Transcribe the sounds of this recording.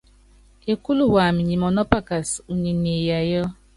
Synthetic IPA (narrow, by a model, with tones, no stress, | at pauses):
e˨ku˦lu˨ɦʷa˨mi˨ɲi˨mɔ˨nɔ˦pa˦ka˨su˨ɲe˨ne˨ja˨jɔ˦